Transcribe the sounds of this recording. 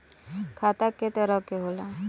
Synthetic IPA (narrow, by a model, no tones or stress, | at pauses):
kʰaːt̪akːet̪əɾəkːeɦola